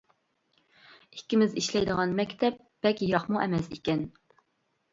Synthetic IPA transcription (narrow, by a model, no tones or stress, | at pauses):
ikʲːɪmɪziʃlɛjd̪əʁɑnmɛkʲt̪ʰɛp̚b̥ɛlkʲjɾɑχmuʔɛmɛsikʲɛn